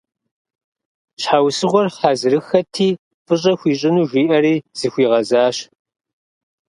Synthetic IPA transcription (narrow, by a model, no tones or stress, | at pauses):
ɕħaːwsɨʁʷɔrħaːzɾɨxɐtʰiː | fʼɨɕʼɐxʷiːɕʼɪnuːʒʷiːʔɐɾiːz̥ɨxʷiːʁɐzaːɕ